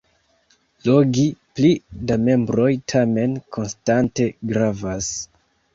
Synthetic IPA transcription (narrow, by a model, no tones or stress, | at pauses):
lo̞ɡiplidame̞mbɾo̞jtʰame̞nkʰo̞nstante̞ɡɾavas